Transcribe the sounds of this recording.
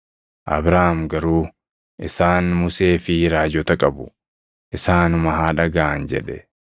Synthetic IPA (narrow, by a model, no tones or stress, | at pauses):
ʔɐ̰bɾaːhmɡɐɾuː | ʔɪsaːnmʊse̞ːfɪɾaːd͡ʒɔt̪ɐkʼɐbʊ̥ | ʔɪsaːnʊmɐɦaːᶑɐɡaʔɐnd͡ʒɛ̰ᶑɛ